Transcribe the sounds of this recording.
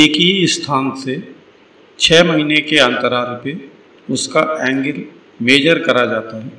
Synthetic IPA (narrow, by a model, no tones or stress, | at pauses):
eːkiiɪst̪ʰaːnse | t͡ʃʰɛːmɐɦinekeɐ̃nt̪əɾaːɾpe | ʊskaɛ̃ːŋɡəl | meːd͡ʒəɾkɐɾad͡ʒaːt̪aɦɛː